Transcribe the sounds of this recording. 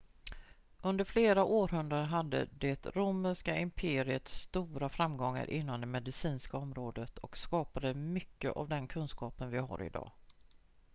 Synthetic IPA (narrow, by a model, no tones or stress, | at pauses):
ɵnd̪əɾfleːɾaʔoːɾɦɵnd̪ɾad̪əɦad̪ːə̰d̪ɛt̪ɾuːməʂkaʔɪmpʰeːɾɪət̪st̪uːɾafɾamɡɔŋːa̰ɾʔɪn̪ːamd̪ɛmɛd̪ɪsiːnskaɔmɾoːd̪ət̪ʰɔkskɑːpad̪əmʏkːə̰ʔa̰vd̪ɛnkʰɵnskɑːpənvɪɦa̰ɾɪ̰d̪ɑ̰ː